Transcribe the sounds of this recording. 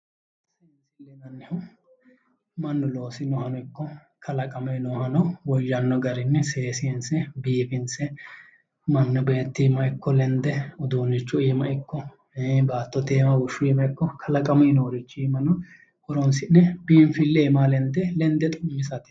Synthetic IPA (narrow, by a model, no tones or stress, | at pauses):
seːnsɪlɛnɐnːɪhʊ | mɐnːʊlo̞ːsɪnɔhɐnɔɪkːɔ | kʰɐlɐkʼɐmenɔhɐnɔwɔjːɐnːɔɡɐɾɪnːɛseːsɪnsɛbiːfɪnsɛ | mɐnːɔbe̞ːt̪ːimɐɪkːɔlɛnd̪ɛʊd̪uːnːɪt͡ʃːʊiːmɐɪkːɔ | baːt̪ːɔt̪eːmɐwʊʃːʊiːmɐɪkːɔkʰɐlɐkʼɐmɛːnoːɾɪt͡ʃːʊiːmɐnɔ | ʔɔɾɔnsɪnːɛbiːnfɪlːeːmaːlɛnd̪ɛlɛnd̪ɛt̪ʼʊmːɪsɐt̪ɪ̥